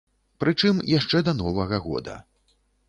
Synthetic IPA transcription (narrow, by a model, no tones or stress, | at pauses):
pɾɨt͡ʂɨmjaʂt͡ʂɛd̪ɐnɔvɐɣɐɣɔ̰d̪ɐ̰